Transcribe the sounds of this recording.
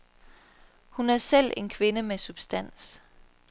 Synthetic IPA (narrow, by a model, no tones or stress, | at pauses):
hunæɐsel̰e̝nkʰʋe̝nəmesub̥sd̥æn̰s